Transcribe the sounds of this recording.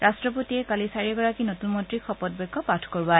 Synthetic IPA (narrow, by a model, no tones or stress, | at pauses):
ɹastɹɔpotiɛkalisaɹiɡɔɹakinotunmɔ̃ntɹikʰɔpɔt̚bɛkʰːɔpatʰkɔɹba